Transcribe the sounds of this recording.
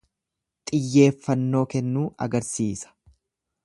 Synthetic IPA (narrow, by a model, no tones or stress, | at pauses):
t̪ʼɪjːe̞ːfːɐnːo̞ːkɛnːuːʔɐ̰ɡɐɾsiːsɐ̥